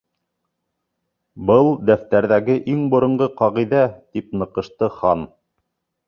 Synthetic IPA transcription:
bɤlˠd̪æft̪æɾðæɡɘʔiŋbŏɾɤ̆ɴɢɤqɑʁiðæt̪ipnɤ̆qɤ̆ʃt̪ɤχɑn

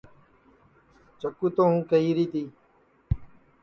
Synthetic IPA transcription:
t͡ʃəkuːt̪õːɦũːkəɦiːɾiːt̪iː

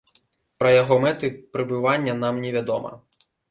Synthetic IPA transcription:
pɾɐjɐɦɔmɛt̪ɪpɾɪbɪʋanʲːɐnamnʲɛʋʲad̪ɔmɐ̰

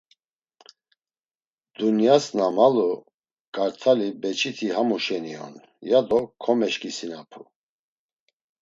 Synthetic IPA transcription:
d̪̥unjasnamalu | kʼaɾt̪ʰalibɛt͡ʃʰit̪ʰiɦamuʃɛniɔ̰n | jad̪ɔkʰɔmɛʃkʰʼisinapʰu

